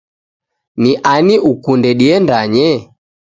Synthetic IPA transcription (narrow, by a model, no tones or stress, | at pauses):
niʔaniʔukundɛɗiɛndaɲɛ